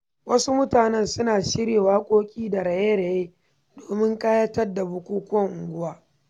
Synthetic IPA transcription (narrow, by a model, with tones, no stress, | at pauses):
wɐ˦su˦mʊ˦taː˨nɐ˦nsʊ˦naː˨ʃɪ˦ɽeː˨waː˦kʷʼoː˦kʲʼiː˦da˨ɽɐ˨jeː˦ɽa˨jeː˦ | doː˨mɪ˦ŋkʼaː˦jɐ˦tɐ˦rda˨bʊ˦kʷuː˦kʷʊ˦ɐ˦˨ŋʔʊ˨ŋɡʷʊ˦waː˦